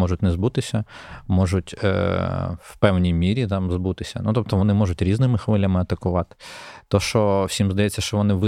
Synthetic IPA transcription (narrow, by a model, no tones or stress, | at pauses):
ɔʒʊt̚ʲnɛzbut̪ɪsʲɐmɔʒʊtʲ | wpɛwnʲijmʲiɾʲit̪ɑmzbut̪ɪsʲɐ̰nut̪ɔp̚t̪ɔʋɔnɪmɔʐʊtʲɾʲiznɪmɪxʋɪlʲːɐmɪɐt̪ɐkʊʋɑt̪ɪ̥t̪ɔʃt͡ʃɔwsʲimzd̪ɐjɛt͡sʲːɐʃt͡ʃɔʋɔnɪʋɪ